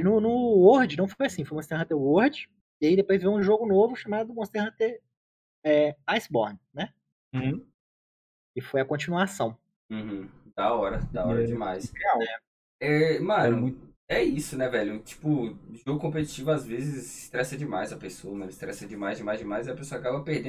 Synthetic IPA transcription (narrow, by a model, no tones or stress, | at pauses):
nʊnʊwoɾd͡ʒɪnɐ̃w̃fojasĩfojumõst̪ehɐ̃t̪ewoɾd͡ʒɪ | iaid̪epojzvewũʒoɡʊnovʊʃamad̪ʊmõst̪ehɐ̃t̪e | ɛajsbɔɾnnɛ̃ | ɪfojɐkõt͡ʃinuasɐ̃w̃ | ũh̩d̪aɔɾɐd̪aɔɾɐd͡ʒɪmajseawnɛ | ɛmɐ̃nʊ̃ | ɛisʊnɛvɛʎʊt͡ʃi̥pʊʒoɡʊkõpet͡ʃi̥t͡ʃivʊazvezɪzɪst̪ɾɛsɐd͡ʒɪmajzɐpesowɐmɐ̃lɪst̪ɾɛsɐd͡ʒɪmajzd͡ʒɪmajzd͡ʒɪmajziɐpesoɐakabɐpehd̪ẽ